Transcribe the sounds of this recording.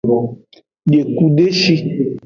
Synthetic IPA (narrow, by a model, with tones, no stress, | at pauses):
ɖe˨ku˦ɖe˦ʃi˦